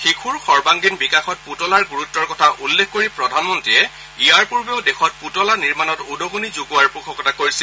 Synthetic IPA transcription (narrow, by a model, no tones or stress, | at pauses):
xikʰuɹxɔɹbaŋɡinbikaxɔt̚putɔlaɹɡuɹutːɔɹkɔtʰaʔulːekʰːkoɹipɹɔdʱanmɔntiɛ | ɡiaɹpuɹbeʊdexʰɔt̚putɔlaniɹmanɔtudʱoɡunizuɡuaɹpʊkʰɔkɔtakoɹisi